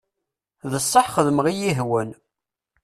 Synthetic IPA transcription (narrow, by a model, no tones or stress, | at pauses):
ðəsˤːəħχəðəmʁijiɦwən